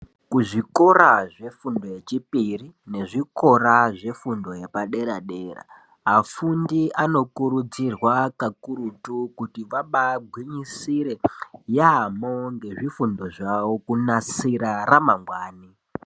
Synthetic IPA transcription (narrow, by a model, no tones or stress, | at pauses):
kuʐiko̞ɾaʐe̞fundo̞je̞t͡ʃipirine̞ʐiko̞ɾaʐe̞fundo̞je̞paɗe̞ɾaɗe̞ːra̰ | afundiʔano̞kuɾud͡zirwakakuɾutukutiʋaɓaɡʱwiɲisiɾe̞jamoŋɡe̞ʐifundo̞ʐawokunasiɾaramaŋɡwaːni